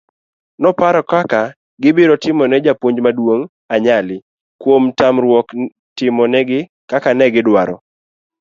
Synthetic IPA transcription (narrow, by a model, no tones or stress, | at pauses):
nɔpaɾɔkaka | ɡɪbɪɾɔtɪmɔnɛd͡ʒapwoɲd͡ʒmadwoŋ | aɲalɪ | kwomtamrwɔk | tɪmɔnɛɡɪ | kakanɛɡɪdwaɾɔ̰